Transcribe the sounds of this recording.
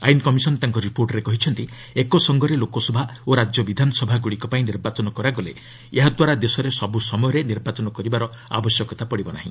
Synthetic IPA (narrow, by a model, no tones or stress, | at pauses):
a̰jnkɔmisɔnt̪aŋkɔɾipoɾʈɾekɔɦit͡ʃʰɔnt̪i | ekɔsɔŋɡɔɾelokɔsɔbʱaoɾad͡ʒjɔbid̪ʱanɔsɔbʱaɡuɽikɔpaĩniɾbat͡ʃɔnɔkɔɾaɡɔlḛ | eɦad̪waɾad̪esɔɾesɔbusɔmɔjɔɾeniɾbat͡ʃɔnɔkɔɾibaɾɔ | a̰bɔsjɔkɔt̪apɔɽibɔna̰ɦḭ̃